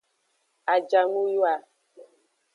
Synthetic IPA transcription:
a˨d͡ʒa˨mu˦ju˦a˨

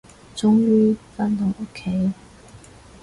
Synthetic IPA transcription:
t͡sʊ˥ŋjyː˥fa˥nt̪ʊ˨˥˩ŋʔo˥kʰe˨˥j

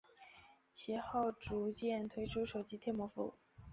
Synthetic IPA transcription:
t͡ɕʰi˧˥xo˥˩ʊʈ͡ʂu˧˥t͡ɕjɛ˥˩nt̪ʰwe˥ɪʈ͡ʂʰu˥ʂo˨˩ʊt͡ɕi˥t̪ʰjɛ˥˩nmwɔ˧˥fṵ˧˥

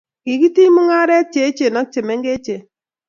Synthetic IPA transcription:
ki˨ki˦ti˦mʊ˦ŋa˦ɾɛ˦t͡ʃe˨˦t͡ʃe˨nɔ˦k̚t͡ʃe˨mɛ˦ŋɡe˦t͡ʃe˨

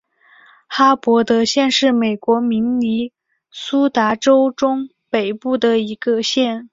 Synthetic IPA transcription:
xa˥pwɔ˧˥t̪ɤ˧˥ɕjɛ˥˧nʂɻ̩˥˩me˨˩ɪkwɔ˧˥mi˧˥ŋni˧˥ | su˥t̪a˧˥ʈ͡ʂo˥ʊʈ͡ʂʊ˥ŋ | pe˨˩ɪpu˥˩d̪ə˩i˧˥ɡə˧ɕjɛ˥˩n

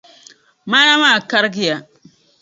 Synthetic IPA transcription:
ma˦ja˦ma˦˨ka˦ɾɡi˨ja˨

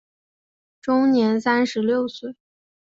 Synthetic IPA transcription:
ʈ͡ʂʊ˥ŋnjɛ˧˥nsa˥nʂɻ̩˧˥ljo˥˧ʊswe˥˩ɪ

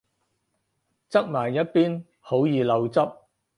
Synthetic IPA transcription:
t͡sɐ˥k̚maː˨˩jːɐ˥t̚piː˥n | ho˨˥wjiː˨lɐ˨˧wt͡sɐ˥p̚

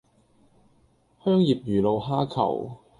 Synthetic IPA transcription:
hœː˥ŋjiː˨p̚jyː˨˩lo˨˧wɦaː˥kʰɐ̰˨˩w

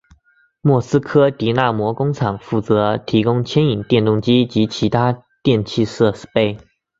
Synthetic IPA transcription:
mwɔ˥˩sɹ̩˥kʰɤ˥t̪i˧˥na˥˩mwɔ˧˥kʊ˥ŋʈ͡ʂʰɑ˨˩ŋfu˥˩t͡sɤ˧˥t̪ʰi˧˥kʊ˥ŋt͡ɕʰjɛ˥ni˨˩ŋt̪jɛ˥˧nt̪ʊ˥˩ŋt͡ɕi˥t͡ɕi˧˥t͡ɕʰi˧˥t̪ʰa˥ | t̪jɛ˥˧nt͡ɕʰi˥˧ʂɤ˥˧ʂ̩˥˩pe˥ɪ

